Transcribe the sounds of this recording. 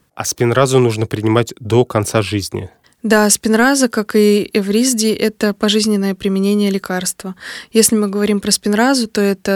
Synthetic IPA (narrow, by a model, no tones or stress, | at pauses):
ɐ̰spʲɪnrazʊnuʐnəpɾʲɪnʲɪmatʲd̪okɐnt̪saʐɨzʲnʲɪ̰ | d̪aspʲɪnɾazəkakɨɛvɾʲizʲdʲɪʔɛt̪əpɐʐɨzʲnʲɪnːəjəpɾʲɪmʲɪnʲenʲɪjəlʲɪkarst̪vəjesʲlʲɪmɨɡəvɐɾʲimpɾəspʲɪnɾazʊt̪o̞ɛt̪ə